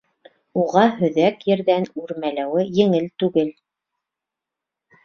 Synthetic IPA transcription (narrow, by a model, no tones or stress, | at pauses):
uʁɑɦɵ̆ðækjɘ̆ɾðænʉɾmælæwɘjɘ̆ŋɘlt̪ʉɡɘl